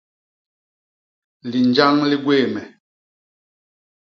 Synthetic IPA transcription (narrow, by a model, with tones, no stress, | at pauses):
li˨nd͡ʒa˦ŋli˦ɡweː˦˨mɛ˨